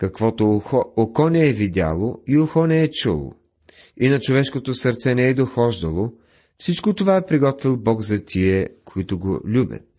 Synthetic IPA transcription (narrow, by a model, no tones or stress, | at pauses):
kɐkvɔt̪ookɔnɛɛvid̪ʲa̰lˠoioxɔnɛɛt͡ʃulˠo̰ | inɐt͡ʃovɛʃkot̪osəɾt̪sɛnɛɛd̪oxɔʒd̪ɐlˠo | fsit͡ʃkot̪ovaɛpɾiɡɔt̪vilˠbɔɡzɐt̪ʰiɛkoit̪ʊɡo̰lʲubʲə̰t̪̚